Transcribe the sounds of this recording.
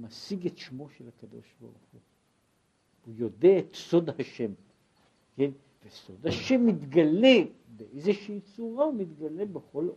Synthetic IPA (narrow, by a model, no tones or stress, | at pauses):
masiɡet̪ʃmo̞ʃelhakad̪o̞̰ʃba̰ʁṵχu | ujo̞d̪eaet̪so̞d̪haʃem | ken | veso̞d̪haʃe̞mːit̪ɡale | beʔejzeʃiːt͡suʁaumit̪ɡalebeχo̞l